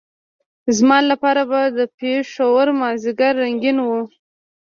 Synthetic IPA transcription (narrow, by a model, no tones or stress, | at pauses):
zmɑlapɑɾabad̪əpeʂawaɾmɑzɪɡaɾːaŋɡinwu